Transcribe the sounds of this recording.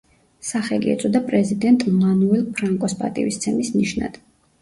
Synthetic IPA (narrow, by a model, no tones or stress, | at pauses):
saχɛliɛ̰t̪sʼɔd̪apʼɾɛzid̪ɛnt̪ʼmanuɛlˠpʰɾaŋkʼɔspʼa̰t̪ʼḭvist̪sʰɛmisniʃna̰d̪̥